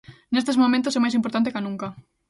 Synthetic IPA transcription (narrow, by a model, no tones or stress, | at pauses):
nest̪ezmomẽnt̪osɛmajsimpoɾt̪ant̪ekanũŋka